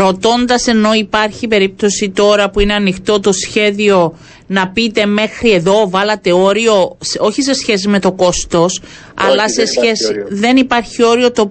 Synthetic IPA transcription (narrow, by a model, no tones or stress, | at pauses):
ɾo̞t̪o̞nd̪ɐse̞no̞ipɐɾçipe̞ɾip̚t̪o̞sit̪o̞ɾɐpuineɐnixt̪o̞t̪o̞sçe̞ðio̞ | nɐpit̪e̞me̞xɾie̞ðo̞vɐlɐt̪e̞o̞ɾio̞so̞çise̞sçe̞s̬ime̞t̪o̞ko̞st̪o̞s | ɐ̰lɐse̞sçesiðe̞nipɐɾçio̞ɾio̞t̪o̞